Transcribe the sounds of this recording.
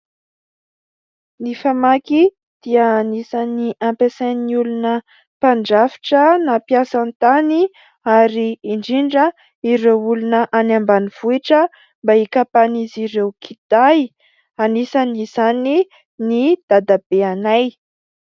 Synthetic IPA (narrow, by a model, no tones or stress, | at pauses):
nifamaki | d̪̥iəːnisaniʔampesaniulunə | paɳɖ͡ʐafi̥ʈ͡ʂənapjasant̪ani | aɾiːɳɖ͡ʐiɳɖ͡ʐə | iɾewulunəʔanambaniv̥uiʈ͡ʂə | mbaikapaniziɾewkʰid̪̥aj | anisanizani | nid̪̥ad̪ab̥eanaj